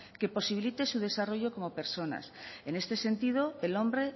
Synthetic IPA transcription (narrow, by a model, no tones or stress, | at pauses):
ke̞po̞siβ̞ilit̪e̞suð̞e̞saroʝo̞ko̞mo̞pe̞ɾso̞na̰sene̞st̪e̞se̞nt̪ið̞oelõ̞mbɾe̞